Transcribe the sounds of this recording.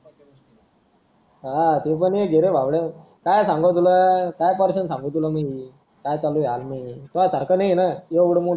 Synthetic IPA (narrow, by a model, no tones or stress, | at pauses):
ɦat̪ep̬əɳjeɡʱeɾebʱaʋɽe | kajsãŋɡət̪̬ulakajpəɾsənsãŋɡot̪ulami | kajt͡salujalmat̪ulat͡saɾkənajnajeʋuɽmu